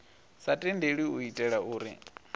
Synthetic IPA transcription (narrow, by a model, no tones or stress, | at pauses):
satʼindeɺiuitʼɛɺauːɾḭ